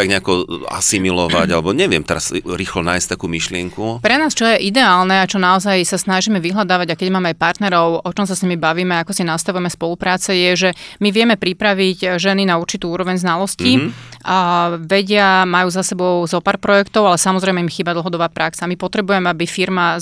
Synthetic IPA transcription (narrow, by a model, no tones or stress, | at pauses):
t̪aɡɲɛakɔa̰similɔʋa̰ɟalɛbɔɲɛʋɪɛ̰mt̪ɛɾasɾixlɔna̰ːjsc̚t̪akuːmiʃlɪɛŋkupɾɛnaːst͡ʃɔjɛʔid̪ɛaːlnɛat͡ʃɔnaɔzajsasnaʒimɛʋiɦlad̪aːʋaɟakɛɟmaːmɛajpaɾt̪nɛɾɔʊɔt͡ʃɔmsasɲimibaʋiːmɛakɔsinast̪aʋujɛmɛspɔlupɾaːt͡sɛjɛʒɛmiʋɪjɛmɛpɾipɾaʋiɟʒɛninauɾt͡ʃit̪uːuːɾɔʋɛɲznalɔsci | ʋɛɟɪamajuːzasɛbɔʊzɔpaːɾpɾɔjɛkt̪ɔʊalɛsamɔzɾɛjmɛimxiːbad̪l̩ˠɦɔd̪ɔbaːpɾaksaːmipɔt̪ɾɛbujɛmɛabifiɾma